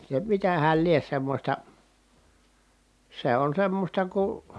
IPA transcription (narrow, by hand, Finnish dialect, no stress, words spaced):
se mitæhæl lie semːosʲtɑ se on semːostɑ ku